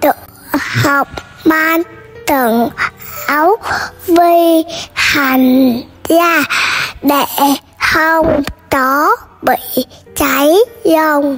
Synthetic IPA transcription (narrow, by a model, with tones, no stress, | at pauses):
t̪ɨ˧˩˨ | ha˨˩wk͡p̚ | maː˧n | t̪ɨ˨˩əŋʔa˨˦wvi˧ha˨˩ŋ̟zaː˧˩ɗe˧˩˨ | hə˧wŋ͡mkɔ˨˦ɓḭ˧˨t͡ɕa˨˦jlə˧ŋ͡m